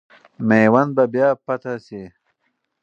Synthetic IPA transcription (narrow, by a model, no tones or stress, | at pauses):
mejwand̪̚babjaːpat̪asi